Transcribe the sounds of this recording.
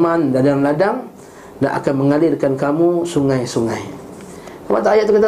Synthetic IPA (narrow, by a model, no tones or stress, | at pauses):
mandadaŋladaŋ | da̰ʔa̰kanməŋalɪrkankamusuŋajsuŋa̰j | kamat̪aajaʔt̪ukit̪a